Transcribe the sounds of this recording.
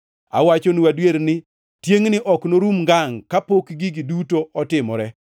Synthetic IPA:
a̰wat͡ʃoniwadweɾnɪ | tjeŋnɪʔɔknoɾumɡaŋkapokɡiɡɪdutoɔtɪmɔɾɛ

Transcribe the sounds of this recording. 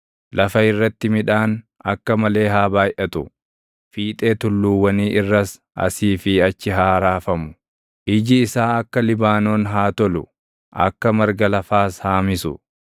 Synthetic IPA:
lʔɐfɐɪrːɐt̪ːɪmɪᶑaːn | ɐ̰kːɐmɐle̞ːɦaːbaːjʔɐt̪ʊ | fiːt̪ʼe̞ːt̪ʊlːuːwːɐniːʔɪrːɐs | ʔɐ̰siːfɪɐt͡ʃːɪɦaːɾaːfɐmʊ̥ | ʔɪd͡ʒɪːsaːɐkːɐlɪbaːno̞ːnɦaːt̪ɔlʊ | ʔɐ̰kːɐmɐɾɡɐlɐfaːshaːmɪsʊ̰

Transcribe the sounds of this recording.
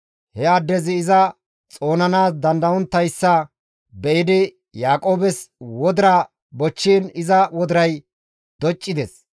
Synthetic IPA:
hɛɐd̪ːɛzɪːzɐ | t͡sʼo̞ːnɐnaːsd̪ɐnd̪ɐɔnt̪ːɐjsːɐ | bɛʔɪd̪ɪ | jaːkʼo̞ːbɛswɔd̪ɪɾɐ | bɔt͡ʃːiːnɪzɐwɔd̪ɪɾɐj | d̪̥ɔt͡ʃʼːɪd̪ɛs

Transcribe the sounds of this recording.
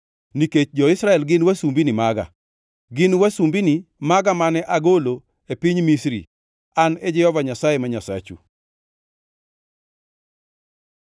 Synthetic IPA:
niket͡ʃd͡ʒɔɪsɾaɛlɡɪnwasumbinimaɡa̰ | ɡɪnwasumbinimaɡamanɛʔaɡolo | epiɲmisɾḭ | aned͡ʒɪhɔvaɲasajemaɲasa̰t͡ʃṵ

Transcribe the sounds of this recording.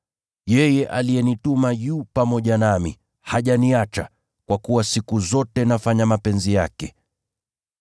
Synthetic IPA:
jɛjɛʔalijɛnitumajupamɔʄanamḭ | haʄaniat͡ʃa | kwakuwasikuzɔtɛnafaɲamapɛnzijakɛ

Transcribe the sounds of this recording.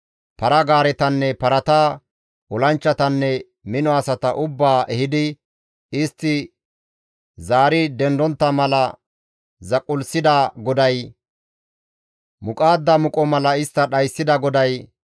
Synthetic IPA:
pɐɾɐɡaːɾɛt̪ɐnːɛpɐɾɐt̪a | ɔlɐnt͡ʃːɐt̪ɐnːɛ | mɪnɔɐsɐt̪ɐʔʊbːaːʔɛhɪd̪ɪ | ɪst̪ːɪ | zaːɾɪd̪ɛnd̪ɔnt̪ːɐmɐlɐ | zɐkʼːʊlsɪd̪aɡɔd̪ɐj | mʊkʼaːd̪ːɐmʊkʼɔmɐlɐɪst̪ːɐɗɐjsːɪd̪ɐɡɔd̪ɐj

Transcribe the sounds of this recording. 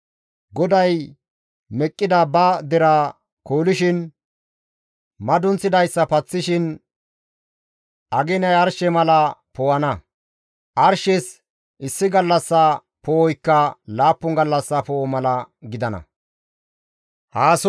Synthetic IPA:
ɡɔd̪ɐj | mɛkʼːɪd̪ɐbɐd̪ɛɾɐ | koːlɪʃɪn | mɐd̪ʊnt͡sːɪd̪ɐjsːɐpɐt͡sːɪʃɪn | ʔɐɡɛnɐjɐɾʃɛmɐlɐpɔwɐnɐ | ʔɐɾʃɛs | ʔɪsːɪɡɐlːɐsːɐ | pɔwɔjkːɐlaːpːʊŋɡɐlːɐsːɐpɔmɐlɐɡɪd̪ɐnɐ̰ | haːs

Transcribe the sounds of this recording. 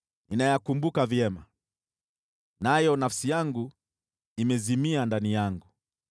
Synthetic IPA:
ninajakumbukavjɛma | najɔnafsijaŋɡu | imɛzimiandanijaŋɡu

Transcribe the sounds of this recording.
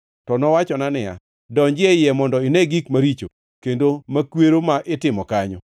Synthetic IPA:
tɔnɔwat͡ʃɔnanɪja̰ | dɔɲd͡ʒɪɛjɛmɔndɔɪnɛɡikmaɾit͡ʃo̰ | kendomakweɾomaʔɪtɪmɔkaɲɔ̰

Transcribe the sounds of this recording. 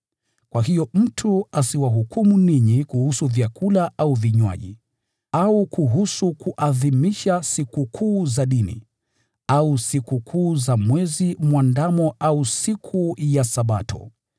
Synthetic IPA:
kwʔaɦijɔm̩tʰuasiwaɦukʰumuniɲikuhusuvjakʰulaʔauviɲwa̰ʄḭ | aukuɦusukuʔaðimiʃasikukʰuːzaɗinḭ | ausikukʰuːzamwɛzimwandamɔʔausikʰujasaɓatɔ̰

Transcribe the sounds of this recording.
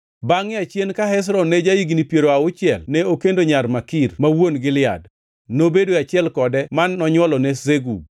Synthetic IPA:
baŋɪat͡ʃjenkaɦɛs̬ɾɔnɛd͡ʒajiɡnipjeɾoaʊt͡ʃɪɛlnɛokendoɲarmakirmawonɡɪlɪa̰d | nobedoat͡ʃɪɛlkɔdɛmanːɔɲwɔlɔnɛzeɡu

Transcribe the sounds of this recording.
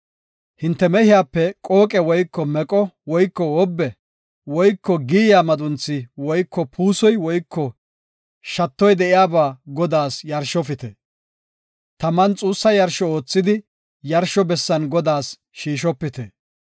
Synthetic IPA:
hɪnt̪ːɛmɛhɪjaːpːɛkʼo̞ːkʼɛwɔjkːɔmɛkʼɔwɔjkːɔɔbːɛ | wɔjkːɔɡiːjaːmɐd̪ʊnt͡sːɪwɔjkːɔpʰuːsɔjwɔjkʰːɔ | ʃɐt̪ːɔjd̪ɛʔɪjaːbaːɡɔd̪aːsjɐɾʃɔfɪt̪ɛ | t̪ɐmɐnt͡sʼuːsːɐjɐɾʃɔoːt͡sːɪd̪ɪ | jɐɾʃɔbɛsːɐnɡɔd̪aːs | ʃiːʃɔpːɪt̪ɛ

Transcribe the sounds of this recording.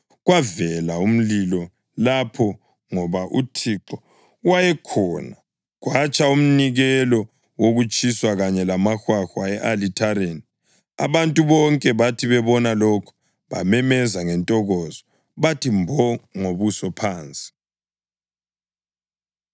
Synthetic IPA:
ɣwavɛlaum̩lilɔ | lapʰɔ | ŋɔβaʔutʰiǁɔ | wajɛkʰɔna | ɣwat͡ʃʼaum̩niɣɛlɔ | woɣut͡ʃʼiswaɣaɲɛlamaxwaxwaɛʔalitʰaɾeni | a̰βantʼuβɔŋkʼɛβatʰiβɛβɔnalɔkʰɔ̥ | βa̰mɛmɛzaŋɛntʼɔɣɔzɔ | βatʰimbʱɔŋoβusɔpʰaːnt͡sʼi̥

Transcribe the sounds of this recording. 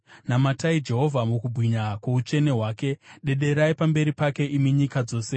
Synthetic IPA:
namataid͡ʒe̞ɦo̞vʱamukubʱwiɲakwe̞ut͡ʃe̞ne̞ɦwaːke̞ɗe̞ɗe̞ɾaipambe̞ɾipake̞ʔimiɲikad͡zo̞ːse̞

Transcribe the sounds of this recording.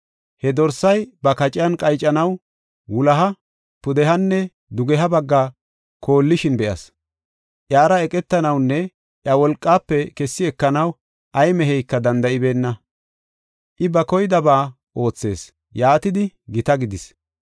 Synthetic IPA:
hɛd̪ɔɾsɐjbɐkɐt͡ʃʼɪjɐnkʼɐjt͡ʃʼːɐnɐw | wʊlɐɦɐ | pʊd̪ɛɦɐnːɛ | d̪ʊɡɛɦɐbɐɡːaː | kʰo̞ːlːɪʃɪnbɛʔɐ̰s | ʔjaːɾɐɛkʼɛt̪ːɐnɐwnːɛ | ʔjɐwɔlkʼːaːpːɛkɛsːɪɛkːɐnɐw | ʔɐjmɛɦɛjkːɐd̪ɐnd̪ɐʔɪbe̞ːnːɐ | ʔɪbɐkɔjd̪ɐbaː | ʔo̞ːt͡sːe̞ːs | jaːt̪ɪd̪ɪɡɪt̪ɐɡɪd̪ɪs

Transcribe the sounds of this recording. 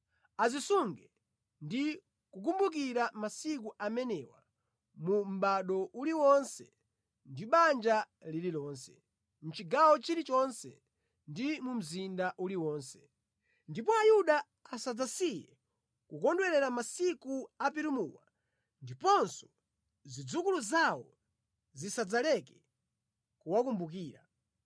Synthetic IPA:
azisuŋɡɛ | ndi | kuk̬umbuk̬iɾamasik̬uʔamɛnɛwa̰ | mum̩ɓaɗɔʔuliwɔnsɛ | ndiɓand͡ʒa | lililɔːnsɛ | m̩t͡ʃiɡawɔt͡ʃiɾit͡ʃɔnsɛ̰ | ndimum̩zindaʔuliwɔːnsɛ̥ | ndip̬ɔajuɗa | asad͡zasijɛ̰ | kukɔndwɛɾɛɾamasikuap̬iɾumuːwa | ndipɔnsɔ̥ | zid͡zukuluzawɔ | zisad͡zalɛkɛ̥ | kuwakumbuk̬iːɾa̰

